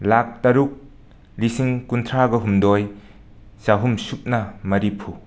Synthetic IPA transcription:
lak̚tɐɾuk̚ | lisiŋkuntʰɾaɡɐɦumdoj | saɦumsup̚nɐmɐɾipʰu

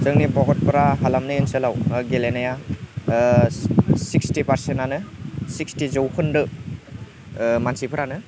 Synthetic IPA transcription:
zɯŋnibɔɡɔt̚pɐɾaɦalamnɯɯnselawɡelenaja | sikstipaɾsentanɯsikstizowkʰɯndɯ | mansipʰɐɾanɯ

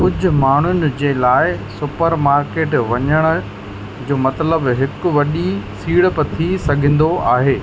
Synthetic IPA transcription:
kʊd͡ʑʱʊ̆maːɳ̤ʊnɪ̆d͡ʑeːlaːɪsʊpəɾmaːɾkeːʈʋɐɲəɽ̃ʊ̆ | d͡ʑoːmɐt̪ləbɦɪkʊ̆ʋɐɗisiːɽpɐt̪ʰisɐɡʱə̃ːn̆d̪oaːɦeː

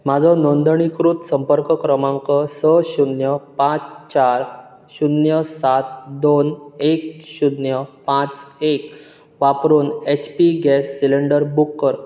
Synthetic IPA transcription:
mad͡zʱɔnond̪əɳikɾut̪səmpəɾkəkɾəmãŋkəsəɕunjəpãt͡st͡ɕaɾ | ɕunjəsat̪̚d̪onekɕud̪jəpãt͡sek | ʋapɾuːnet͡ɕpiɡɛsːileɳɖəɾbukːəɾ

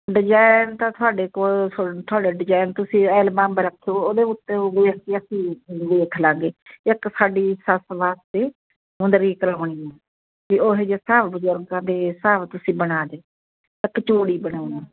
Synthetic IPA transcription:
ɖɪd͡ʒaːɪnt̪ãːt̪ʰʊaːɖeːkoːlt̪ʰʊaːɖeːɖɪd͡ʒaːɪnt̪ʊsĩːɛːlmãːmbɾəkʰːejoːoːd̪eːʊt̪ːẽːʋeːkeəsĩːʋeːkʰlaːɡeːɪksaːɖiːsəsʋaːst̪eː | mʊnd̪əɾiːkəɾaːɳiːɛː | kioːɦed͡ʒeːsaːʋbəzʊɾɡãːd̪eːsaːʋt̪ʊsĩːbəɽaːd̪eː | ɪkːt͡ʃoːɽiːbəɽaːunɛː

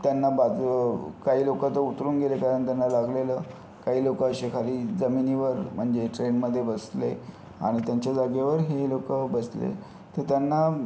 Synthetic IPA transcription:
t̪janːabad͡zkaɦiːlokat̪əut̪ɾuːnɡelekaɾəɳt̪janːalaɡleləː | kaɦiːlokəəɕekʰaliːd͡zəminiːʋəɾm̤əɳd͡zeʈɾenməd̪ʱːjebəst̪le | a̰ɽ̃it̪jaɲt͡ɕjad͡zaɡjeʋəɾɦelokəbəslḛ | t̪əɾt̪janːa

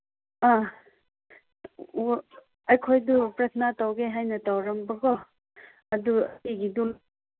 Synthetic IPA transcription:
a | ɐjkʰojdupɾɐt̪ʰnatawɡeɦajnɐtawɾɐmbɐɡɔ | ɐdueɡidul

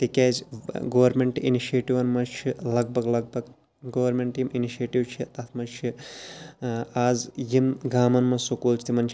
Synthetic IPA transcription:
t̪ikɛːzɡɐːwɐɾmeɳʈḭniʃieːʈiʋɐnmɐt͡ʃʰilɐɡ̚bʱɐɡlɐɡ̚bʱɐɡ | ɡɐʋɐɾmeɳʈjiminiʃeːʈiwt͡ʃʰit̪ɐt̪ʰmɐt͡ʃʰi | aːzjimɡaːmɐnmɐsokoːlt͡ʃʰt̪imɐnt͡ʃʰ

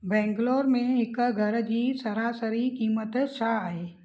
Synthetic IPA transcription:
bɛ̃ːŋɡloːɾmẽɪkɡʱəɾd͡ʒisəɾaːsəɾikiːmət̪t͡ʃʰaaːeː

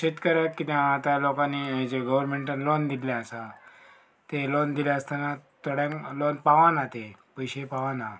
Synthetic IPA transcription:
ɕit̪kəɾjakit̪ɛaːt̪alokãnːiid͡ʑeɡəʋəɾmẽɳʈənlond̪ilãəsa | t̪elond̪iljaəst̪anat̪oɽjãŋklonpaʋanat̪epəjɕepaʋana

